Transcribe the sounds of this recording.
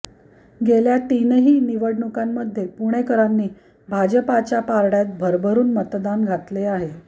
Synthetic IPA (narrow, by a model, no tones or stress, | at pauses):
ɡeljaʈinəɦiːniʋəɽɳukamːəd̪ʱːjepuɽ̃ekəɾanːiː | bʱad͡ʑəpat͡ɕjapaɾɽjat̪̚bʱəɾbʱəɾuːnmət̪d̪anɡʱat̪leaɦe